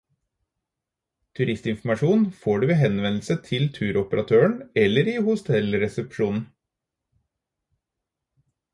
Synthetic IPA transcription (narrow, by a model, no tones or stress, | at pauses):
t̪ʰʉɾɪst̪ɪnfm̩ɑʃuːnfoːɖʉːʋeːɦɛnʋɛnl̩sət̪ʰɪlt̪ʰʉːɾɔpəɾʔɑt̪ʰøːəɳɛlːəɾiːhʊst̪ʰɛlɾɛsɛpʃuːnn̩